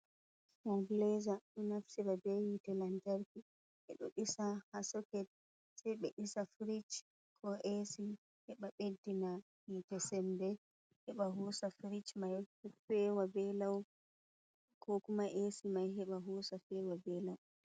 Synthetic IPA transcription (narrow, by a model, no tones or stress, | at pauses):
kɔŋɡlɛzaɗɔnafsiɾabewitɛlantaɾki | ʔɛ̰ɗɔ̰ɗisahasɔkɛt̚ | sɛjɓɛɗisafɾit͡ʃ | kʰɔʔesi | hɛɓaɓedːina | hitɛsɛnbɛ | hɛɓaɦusafɾit͡ʃmajfɛwabɛlaw | kʰɔkumaʔesimajɦɛɓaɦɔːsafɛwabɛlaw